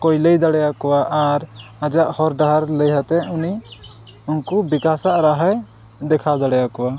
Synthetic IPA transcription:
kɔjləjd̪aɽɛjakɔwaʔaɾad͡ʒaʔhɔɾɖaɦaɾləjɦat̪ɛuni | unkɔbikasaʔɾaɦɛj | d̪ɛkʰad̪aɽɛjakɔwa

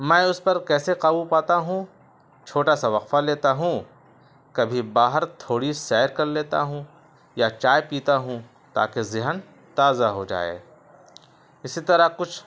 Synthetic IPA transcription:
mɛ̃ːʊspɐɾkɛːseqaːbupaːt̪aɦũ | t͡ʃʰoːʈasaʋɐqfaleːt̪aɦũ | kɐbʱibaːɦəɾt̪ʰoːɽisɛːɾkɐɾleːt̪a̰ɦũ | jat͡ʃaːjpiːt̪aɦũ | t̪a̰ːkezɪɦən | t̪aːzaɦod͡ʒa̰ːḛː | ɪsit̪ɐɾakʊt͡ʃʰ

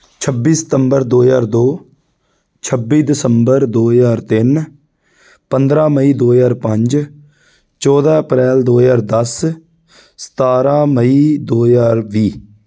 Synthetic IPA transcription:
t͡ʃʰəbːiːsə̥t̪əmbəɾd̪oːjaːɾd̪oː | t͡ʃʰəbiːd̪ɪsəmbəɾd̪oːzaːɾt̪ɪn | pənd̪ɾãːməiːd̪oːzaːɾpə̃ɲd͡ʒ | t͡ʃɔːd̪aːəpɾɛːld̪oːjaːɾd̪əs | sə̥t̪aːɾãːməiːd̪oːjaːɾʋiː

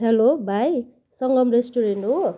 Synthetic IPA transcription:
ɦelobʱaj | sʌŋɡʌmɾesʈuɾenʈɦo

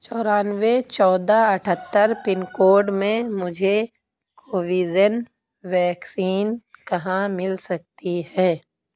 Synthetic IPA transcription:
t͡ʃɔːɾaːnʋet͡ʃɔːd̪aɐʈʰət̪ːəɾpɪnkoːɖmẽmʊd͡ʒʱe | koːʋiːd͡ʒən | ʋɛːksiːnkɐɦãmɪlsɐk̚t̪ihɛː

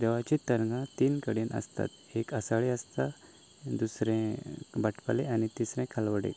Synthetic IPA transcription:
d̪əʋat͡ɕit̪əɾŋɡãt̪iːnkəɽenə̰st̪a̰t̪ | ekəsaɭeəst̪a | d̪usɾɛ̃baʈʰpaleanit̪isɾɛ̃kʰalʋəɽḛ

